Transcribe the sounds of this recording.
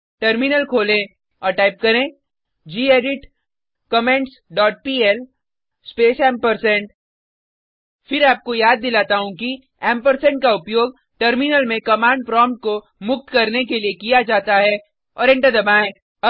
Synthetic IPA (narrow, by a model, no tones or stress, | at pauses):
ʈɐɾmɪnəlkʰoːlẽ | ɔːɾʈaːɪp̚kɐɾẽ | d͡ʒiːeːɖɪʈ | kɐmẽɳʈsɖɔːʈ̚piːɛl | speːsɛ̃ːmpɐɾsɛ̃ɳʈ | fɪɾaːp̚kojaːd̪ːɪlaːt̪aɦũki | ɛːmpəɾsɛ̃ɳʈ̚kaʊpjoːɡ̚ | ʈɐɾmɪnəlmẽkɐmãːɳɖ̚pɾɔ̃ːmʈ̚ko | mʊk̚t̪kɐɾnek̬eliekijad͡ʒaːt̪aɦɛ | ɔːɾɪ̃ɳʈəɾd̪ɐbaːẽ | ɐ